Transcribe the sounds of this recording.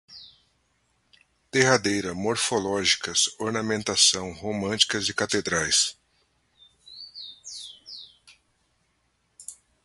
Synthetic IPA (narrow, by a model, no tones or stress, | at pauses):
d̪̥ehad̪ejɾɐmoɾfolɔʒikɐsoɾnɐmẽnt̪asɐ̃w̃homɐ̃nt͡ʃi̥kɐzɪkat̪ed̪ɾajs